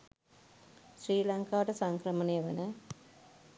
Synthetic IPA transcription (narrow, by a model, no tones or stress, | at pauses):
sriːlaŋkaːʈəsaŋkɾəmənejəʋənə